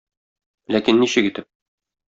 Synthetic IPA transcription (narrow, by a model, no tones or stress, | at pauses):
lækinːiɕɘkit̪ɘp̚